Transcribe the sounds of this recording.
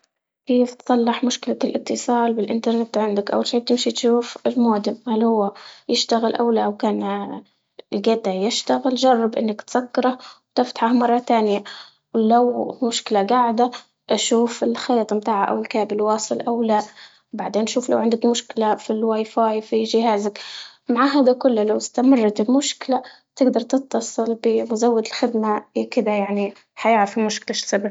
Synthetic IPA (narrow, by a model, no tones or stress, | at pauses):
keːft̪sˤɑlːɪħmʊʃkɪlalʔɪt̪ːɨsˤɑːlbɪlʔɪnt̪ɑɾˤnɪt̪ʕɪnd̪akʔawːalʃeːb̚t̪ɪmʃit̪ʃuːfɪlmoːd̪ɪmhalhʊwːajɪʃt̪aɣɪlʔa̰wlaʔwkaːn | lɡad̪ajɪʃt̪aɣɪld͡ʒɑrˤːɑbʔɪnːakt̪sakːɑɾˤɑhwt̪ɪft̪ḁħahmɑrˤːɑt̪aːnɪja | wlawmʊʃkɪlaɡaʕɪd̪a | ʔaʃuːfɪlxeːt̪ˤmt̪aːʕaʔa̰wɪlkaːbɪlwɑːsˤɨlʔawlaʔ | baʕd̪eːnʔʃuːfla̰wʕɪnd̪ɪkmʊʃkɪlafilwajfaːjfiʒɪhaːzɪk | maʕaːɦaːd̪akʊlːalawɪst̪amɑrˤːɑt̪ɪmʊʃkɪla | t̪ɪɡd̪ɑɾˤt̪ɪt̪ːɑsˤɨlbɪmʊzawːad̪ɪlxɪd̪maʔekɪd̪ajaʕni | ħajɪʕɾɑfɪmʊʃkɪlaʃsaba